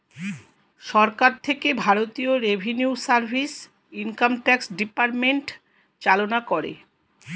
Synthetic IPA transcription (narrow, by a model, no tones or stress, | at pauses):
ʃɔɾkaɾt̪ʰekebʱaɾot̪ioɾebʱeniusaɾbʱis | iŋkamʈɛksɖipaɾmeɳʈ | t͡ɕalonakoɾḛ